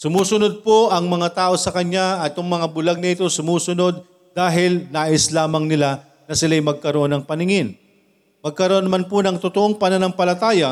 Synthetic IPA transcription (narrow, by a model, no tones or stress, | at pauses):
sʊmuːsʊnod̪̚poʔɐŋmɐŋat̪aːʔo̞sɐkɐɲaɐt̪joŋmɐŋabʊlaɡ̚nɐʔɪt̪o̞sʊmuːsʊno̞d̪̚ː | aːɦɪlnaːʔɪslaːmɐŋnɪla | nɐsɪlaɐjmɐɡ̚kɐɾoʔo̞nɐŋpɐnɪŋɪn | mɐɡ̚kɐɾoʔonːɐmanponɐŋt̪ot̪oʔoŋpɐnanɐŋpɐlɐt̪aːjɐ